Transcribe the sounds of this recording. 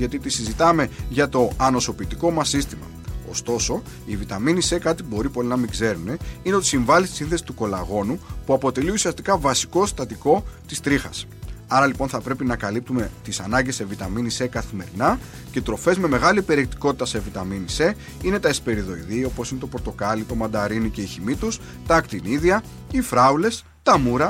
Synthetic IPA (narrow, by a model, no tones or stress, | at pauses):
ʝɐt̪it̪isizit̪ɐme̞ʝɐt̪o̞ɐno̞so̞pit̪iko̞mɐsist̪imɐ̰ | o̞̰st̪o̞so̞ | ivit̪ɐminise̞kɐt̪ibo̞ɾipo̞linɐmiɡze̞ɾune̞ine̞o̞t̪i̥siɱvɐlist̪isĩnθe̞si̥t̪uko̞lɐɣo̞nupuɐpo̞t̪e̞liusiɐst̪ikɐvɐsi̥ko̞st̪ɐt̪iko̞t̪ist̪ɾixɐs | ɐɾɐlipo̞nθɐpɾe̞pinɐkɐlip̚t̪ume̞t̪isɐnɐɲɟesːe̞vit̪ɐminisekɐθime̞ɾinɐ | ce̞t̪ɾo̞fe̞zme̞me̞ɣɐlipe̞ɾiek̚t̪i̥ko̞t̪it̪ɐse̞vit̪ɐminise̞ | ine̞t̪ɐespe̞ɾiðo̞iðio̞po̞sine̞t̪o̞poɾt̪o̞kɐlit̪o̞mɐnd̪ɐɾinice̞içimit̪us | t̪ɐːkt̪iniðiɐ | ifɾɐule̞s | t̪ɐmuɾɐ